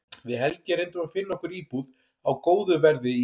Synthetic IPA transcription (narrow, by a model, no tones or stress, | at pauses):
vɪðɦɛlcɪɾejnt̪ʏmafɪnːɔhkʏɾiːpuð | awkoːwðʏvɛɾðɪi